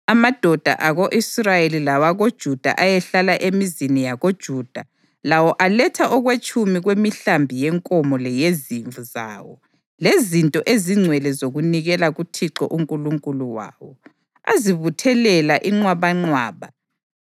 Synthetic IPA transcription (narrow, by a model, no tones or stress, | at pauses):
amad̥ʱɔd̥ʱa̰ʔaɣoʔisrajelilawaɣod̥ʒ̥ʱud̥ʱa̰ʔajɛɬalaʔemizinijaɣod̥ʒ̥ʱud̥ʱa | lawɔʔalɛtʰaʔɔɣwet͡ʃʼumiɣwemiɬambʱijɛŋkʼɔmɔlɛjeziɱvuza̰ːwɔ̰ | lezintʼɔʔeziŋ͡ǀʱwɛlɛzoɣuniɣɛlaɣutʰiǁɔ̰ʔuŋkʼuluŋkʼuluwa̰ːwɔ | a̰ziβutʰɛlɛlaʔiŋ͡ǀwaβaŋ͡ǀwaːβa